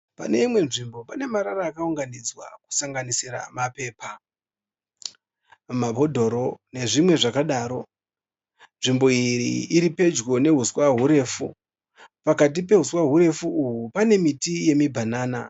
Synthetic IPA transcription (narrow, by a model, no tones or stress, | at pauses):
pa̰ne̞imwe̞nʐimbo̞pane̞maɾaɾaːkauŋɡanid͡zwa̰ku̥saŋɡanisiɾa̰mape̞ːpa | mabʱo̞dʱo̞ɾo̞ne̞ʐimwe̞ʐakaɗaːɾo̞ | nʐimbo̞iriːɾipe̞d͡ʒɡo̞ne̞ɦuswaɦuɾe̞fṵ | pakat̬ip̬e̞ɦuswaɦuɾe̞fuːɦupane̞mitije̞mibʱanaːna̰